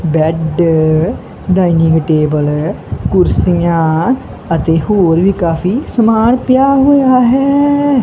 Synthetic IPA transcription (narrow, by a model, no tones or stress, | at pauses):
bɛːɖ | ɖaːinɪ̃ŋɡʈeːbəl | kʊɾsɪjãː | ət̪eːɦoːɾʋiːkaːfʰiːsəmaːɽpjaːɦoːjaːɦɛː